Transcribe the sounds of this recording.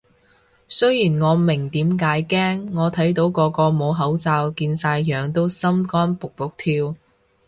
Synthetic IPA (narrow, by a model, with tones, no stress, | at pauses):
sɵ˥ɥjiː˨˩nŋɔː˨˧mɪ˨˩ŋt̪iː˨˥mkaː˨˥jkɛː˥ŋːɔː˨˧t̪ʰɐ˨˥jt̪̬o˨˥wkɔː˨˧kɔː˧mo˨˧wɦɐ˨˥wt͡saː˧wkiː˧nsaː˧jjœː˨ŋt̪o˥wsɐ˥mkɔː˥npʊ˨k̚pʊ˨˩k̚t̪ʰiː˧w